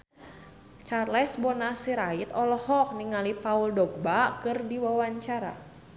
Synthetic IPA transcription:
t͡ʃarlɛsbɔnasiɾait̪ɔlɔhɔk̚niŋalipauldɔk̚bakɨrdiwawaɲt͡ʃaɾa̰

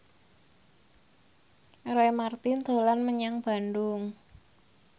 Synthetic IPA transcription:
rejmart̪ɪnd̪̥o̤lanməɲaŋb̥a̤ndʊŋ

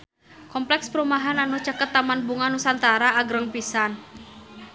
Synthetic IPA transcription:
kɔmplɛkspəɾumaɦananut͡ʃakət̪ːamanbuŋanusant̪aɾaːɡɾəŋpisan

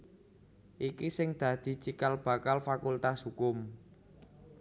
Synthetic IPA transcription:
ʔikisɪŋd̪̥ä̤d̪̥i̤t͡ʃikalb̥a̤kalfakult̪ashukʊm

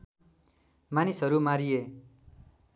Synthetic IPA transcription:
manisɦʌɾumaɾije

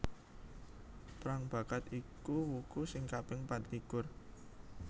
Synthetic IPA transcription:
pɾaŋb̥a̤kat̪ikuwukusɪŋkapɪŋpat̪likʊr

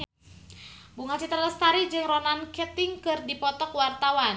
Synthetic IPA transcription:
buŋat͡ʃit̪ɾaləst̪aɾid͡ʒɨŋrɔnankɛt̪ɪŋkɨrdipɔt̪ɔkwart̪awan

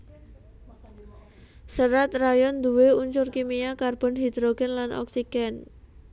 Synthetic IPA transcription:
səɾat̪rajɔnd̪uweuɲt͡ʃʊrkimiakarb̥ɔnɦid̪ɾoɡɛnlanʔɔ̰ksiɡ̥ɛn

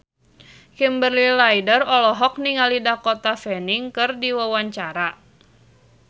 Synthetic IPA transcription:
kimbərlilajdərɔlɔɦɔk̚niŋalidakot̪afɛniŋkɨrdiwawaɲt͡ʃaɾa

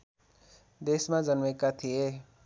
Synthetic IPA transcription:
d̪esmad͡zʌnmekat̪ʰije

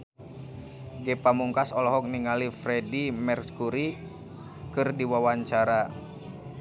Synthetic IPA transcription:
ɡɛpamuŋkasɔlɔɦɔk̚niŋalifɾɛdimɛrkuɾi | kɨrdiwawaɲt͡ʃaɾa

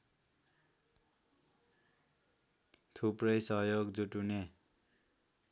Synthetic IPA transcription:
t̪ʰuprʌjsʌɦjoɡd͡zuʈune

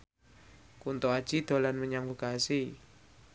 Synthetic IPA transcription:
kunt̪oad̥ʒ̥id̪̥o̤lanməɲaŋvokasi

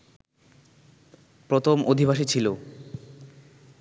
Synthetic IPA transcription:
pɾot̪ʰomod̪ʱibʱaʃ̬it͡ɕʰilo

